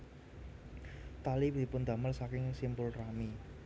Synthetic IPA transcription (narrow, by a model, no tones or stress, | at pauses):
t̪alid̪̥i̤pʊnd̪̥a̤məlsakɪŋsimbʊlrami